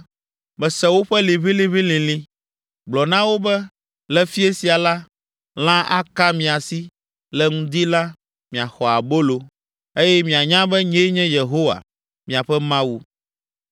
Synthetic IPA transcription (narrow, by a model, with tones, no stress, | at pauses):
bɛ˨sɛ˦wo˦ɸɛ˦li˨βi˦lĩ˦βi˦lĩ˨lĩ˦ | ɡ͡blɔ˨nã˦wo˦bɛ˦ | lɛ˦fi˦e˦si˨a˨la˦ | l̃ã˦ʔa˦ka˦mĩ˨a˨si˦ | lɛ˨ŋũ˦d̪i˦la˦ | mĩ˨a˨xɔ˨a˨bo˦lo˨ | e˦jɛ˦mĩ˨a˨ɲã˦bɛ˦ɲẽ˦ɲɛ̃˦je˨ɦo˦wa̰˨ | mĩ˨a˨ɸɛ˦mã˦wu˦